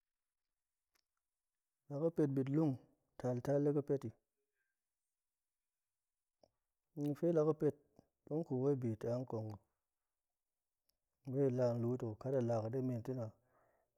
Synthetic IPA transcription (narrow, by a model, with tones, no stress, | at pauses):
la˨ka˦pe˧t̚bi˨t̬lu˦ŋ | ta˨lta˦lːe˦kɨ˦pe˦ti˨˦ | i˨fe˦la˧ka˦pe˦t̚ | ɗu˦ŋ˦ku˨we˦˨bi˨ta˨˦ŋ˦ko˨ŋu˨ | be˦˨la˧n˦lu˦to˨ka˦ta˨la˨ka˨de˦me˨nti˦na˨